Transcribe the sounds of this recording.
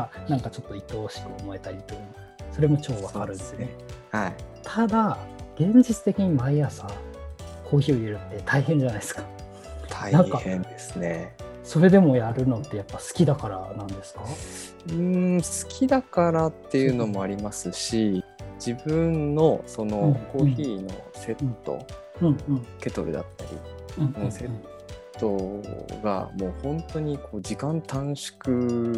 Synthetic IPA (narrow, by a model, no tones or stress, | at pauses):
anãŋkat͡ɕo̞t̪ːo̞it̪o̞ːɕi̥kɯ̟omo̞e̞t̪aɾʲit̪ojɯ | so̞ɾe̞mo̞t͡ɕo̞ːβakaɾɯ̟̃nd̪esɨoehait̪ʰad̪aɡ̥ẽ̞ɲ̟d͡ʑit͡sɨ̥t̪e̞kʲiɲ̟imaijasa | kʰo̞ːçio̞eɾɯ̟t̪ːe̞t̪ʰaiɦẽ̞ɲ̟d͡ʑanai̥sɨ̥kḁ | t̪ʰainãŋkahẽnd̪esɨne̞so̞ɾe̞d̪e̞mo̞jaɾɯ̟no̞t̪ːe̞japːasɨ̥kʲid̪akaɾa̰nãnd̪e̞sɨ̥ka | ɯ̟sɨ̥kʲʰid̪akaɾat̪ːe̞jɯ̟ːno̞mo̞aɾʲimasɨɕid͡ʑibɯ̟̃nːo̞so̞no̞ko̞ːçiːno̞̰se̞t̪ːo̞̰ | ɯ̃ɯ̃ɴke̞t̪o̞ɾɯ̟̰d̪a̰t̪ːaɾʲḭ̃ | ɯ̃ːse̞ | o̞ɡa̰mo̞ːhõ̞nt̪o̞ɲ̟ikʰo̞ːd͡ʑikãnt̪ãɰ̃ɕi̥kɯ̟